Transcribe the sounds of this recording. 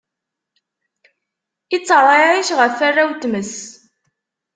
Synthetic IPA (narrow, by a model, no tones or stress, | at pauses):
ɪt͡sːəɾˤɑɾiʃʁəfːarːawt̪məs